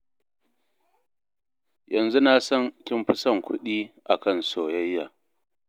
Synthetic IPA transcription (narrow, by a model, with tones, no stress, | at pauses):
jɐ˨nzu˦na˦˨sɐ˦ŋkʲɪ˦mɸʊ˦sɐ˦˨ŋkʷʊ˦ɗiː˦ʔa˨kɐ˦˨nsoː˨jɐ˦jːa̰ː˨